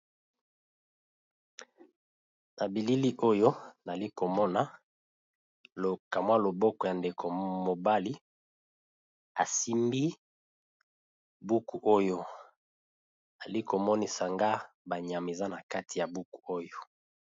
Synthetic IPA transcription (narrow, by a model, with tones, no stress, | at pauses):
na˨bi˨li˦li˦ʔo˦jo˦na˨li˦ko˨mɔ˦na˨ | lo˨ka˨mwa˦lo˨bɔ˦kɔ˨ja˨nde˨kʰo˨mo˨ba˦li˦ | a˨si˦mbi˦ | bu˦ku˨ʔo˦jo˦ | a˨li˦ko˨mɔ˦ni˨sa˨ŋɡa˦ | ba˨ɲa˨m˨e˨za˦na˨ka˦tʰi˨ja˨bu˦ku̥˨o˦jo˦